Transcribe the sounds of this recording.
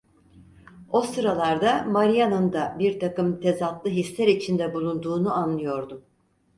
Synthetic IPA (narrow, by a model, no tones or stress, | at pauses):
o̞sɯɾalˠaɾd̪amaɾijanɯnd̪abiɾt̪ʰakɯmt̪ʰe̞zat̪lˠɯɦislʲæɾit͡ʃʰind̪ɛbulˠund̪uːnuanlˠɯjo̞ɾd̪um